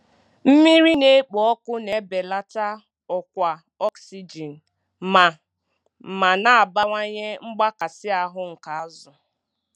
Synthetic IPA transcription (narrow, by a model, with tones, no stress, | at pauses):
m̩˦mi˦ɾi˦ne˦k͡pɔ˨ɔ˦kʊ˦ne˨be˨la˦ta˦ | ɔ˨kʷa˨ | ɔ˦ksi˦d͡ʒi˨n̩˨ | ma˨ | ma˨na˨a˨ba˦ŋʷa˦ɲe˦ŋ͡m̩˦ɡ͡ba˦ka˨sɪ˦a˨ɦʊ˦ŋ̩˨ka˨a˦zʊ˨